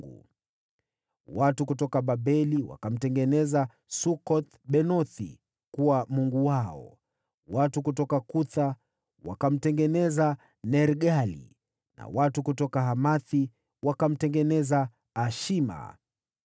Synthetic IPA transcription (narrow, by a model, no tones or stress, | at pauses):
ṵ | watukutɔkaɓaɓɛliwa̰kam̩tɛŋɡɛnɛza | sukɔt̪ | ɓɛnɔθḭ | kuwamuŋɡuwaɔ̰ | watukutɔkakuθa | wa̰kam̩tɛŋɡɛnɛza | nɛɾɡalḭ | na̰watukutɔkaɦamaθi | wakam̩tɛŋɡɛnɛzaː | ʃima̰